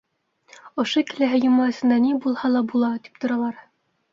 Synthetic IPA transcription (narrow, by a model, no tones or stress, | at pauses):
ŏʃokɘ̆læɦɘjŏmɑɘ̆sɤ̆nd̪ænibulˠhɑlˠɑbulˠɑt̪i̥p̚t̪ŏɾɑlˠɑɾ